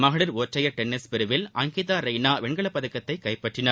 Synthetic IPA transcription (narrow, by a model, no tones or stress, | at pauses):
mɐɣɐɭɪɾoːʈrɐjɐɾʈɛnːɪspɪɾɯʋɪlʔɐŋɡɪðaːɾɐɪnaːʋɛɳɡɐɭɐpːɐðɐkːɐt̪ːɐɪkːɐɪpːɐʈrɪnɐ